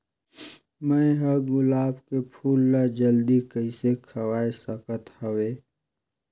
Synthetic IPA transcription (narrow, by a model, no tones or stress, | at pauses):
mə̃ɦəɡʊlaːbkepʰuːlːad͡ʒəld̪ikəɪsekʰɐwaːesəkət̪həweː